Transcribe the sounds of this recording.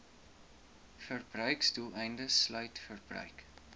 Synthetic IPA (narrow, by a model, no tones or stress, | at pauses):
fərbrœɥkstulˠɛjndəslœɥtfərbrœ̰ɥk